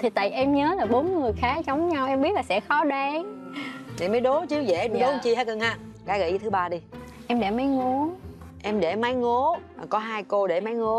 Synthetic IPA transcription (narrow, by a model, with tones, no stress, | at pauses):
t̪ʰi˨˩t̪a̰ː˧˨jʔɛ˧mɲəː˨˦laː˨˩ɓo˨˦nŋɨ˨˩əjxaː˨˦t͡ɕə˨˦wŋ͡mɲa˧wʔɛ˧mɓi˦˥t̚laː˨˩sɛ̰˧˥xɔ˨˦ɗwa˨˦ŋni˨˩mə˨˦jɗo˨˦t͡ɕɨ˨˦zḛ˧˩˧ɗo˨˦t͡ɕi˧ɦaː˨˧˦kə˨˧˩ŋhaː˧˥kaː˨˦ɣə̰˧˩˨t̪ʰɨ˨˦ɓaː˧ɗi˧ | ʔɛ˧mɗe˧˩mə˨˦jŋo˨˦ | ʔɛ˧mɗe˧˩ma˨˦jŋo˨˦a˨˩kɔ˨˦ɦaː˧jko˧ɗe˧˩ma˨˦jŋo˨˦